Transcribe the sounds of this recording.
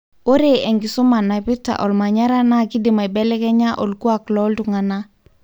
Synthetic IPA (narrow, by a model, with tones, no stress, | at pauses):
o˦ɾe˦˨ɛ˨ŋɡɪ˨so˦ma˨na˨pi˦ta̰˨ʔɔ˨lma˨ɲa˦ɾa˦na˦˨ki˦di˨ma˨i˨bɛ˦lɛ˦kɛ˦ɲa˦ʔo˨lku˦a˨klɔ˦ltu˨ŋa˨na˦